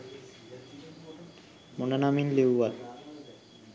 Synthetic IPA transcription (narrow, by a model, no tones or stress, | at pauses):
monanaminlewʋal